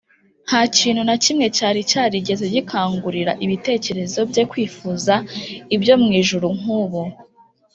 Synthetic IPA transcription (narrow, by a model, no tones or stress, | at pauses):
haciːn̥hunacimŋe̞caːɾicaːɾiɟe̞zeɟikʰaːŋɡuɾiɾa̰ʔiβite̞ːce̞ɾe̞zo̞bje̞kwiːfuːzaibjo̞mŋiːʒuɾuŋ̥uːβo